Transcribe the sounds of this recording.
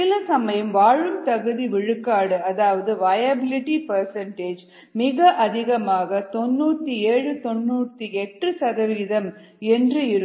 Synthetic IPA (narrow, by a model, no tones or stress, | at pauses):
ɪlɐsɐmɐjɐmʋaːɻɯmt̪ɐɣɯðiʋɪɻɯkːaːɽɯɐðaːʋɐðɯʋɐjɐbɪlɪʈipɐɾsɐɳʈeːd͡ʒ | mɪɣɐʔɐðɪɣɐmaːɣɐt̪ɔnːuːt̪ːieːɻɯt̪ɔnːuːt̪ːiɛʈːrɯsɐðɐʋiːðɐm | ɛndrɯɪɾɯ